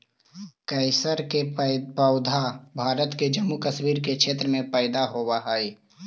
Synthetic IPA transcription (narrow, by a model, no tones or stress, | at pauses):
kɛɪsəɾkepəʊd̪ʱabʱaːɾət̪ked͡ʒɐmːukɐswiːɾkekʃeːt̪ɾəmẽpɛːɪd̪aɦoʋəɦaːiː